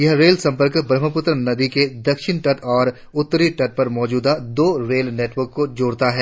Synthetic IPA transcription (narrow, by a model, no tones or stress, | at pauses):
jɐɦɾeːlsɐ̃mpəɾkbɾəməpʊt̪ɾnɐd̪iked̪ɐkʃɪnʈɐʈɔːɾ | ʊt̪ːɾiʈɐʈ̚pɐɾmɔːd͡ʒuːd̪ad̪oːɾeːlneːʈʋəɾkːod͡ʒoːɽt̪aɦɛː